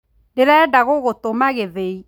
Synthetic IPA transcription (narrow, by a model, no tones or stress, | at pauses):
deɾɛdaɣoɣotomaɣeðei